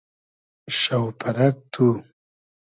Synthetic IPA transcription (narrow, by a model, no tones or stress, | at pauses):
ʃawpʰaɾak̚t̪ʰu